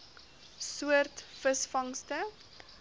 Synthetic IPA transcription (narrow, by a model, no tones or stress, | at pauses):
suərtfəsfɐŋstə